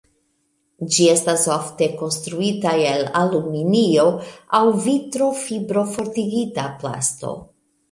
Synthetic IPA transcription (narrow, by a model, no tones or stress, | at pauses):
d͡ʒie̞stasofte̞ko̞nstɾuitaelaluminio̞awvitɾo̞fibɾo̞fo̞ɾtiɡitapla̰sto̞̰